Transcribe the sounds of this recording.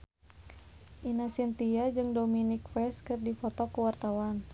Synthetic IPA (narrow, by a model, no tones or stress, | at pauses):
ʔinasint̪iad͡ʒɨŋdominik̚fɛskɨrdifɔt̪ɔkəwart̪awan